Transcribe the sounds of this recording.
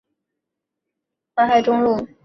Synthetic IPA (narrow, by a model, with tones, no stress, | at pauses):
ma˥˧˥xa˥˩ɪʈ͡ʂʊ˥ŋlu˥˩